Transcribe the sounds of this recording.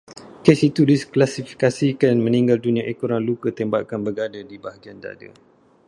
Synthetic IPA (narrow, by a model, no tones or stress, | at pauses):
kesit̪udisklasifi̥kasikanmə̃niŋɡaldunĩãʔekuɾaŋlukət̪ɛmba̰kanbəɡadadibaɦaɡianda̰də̰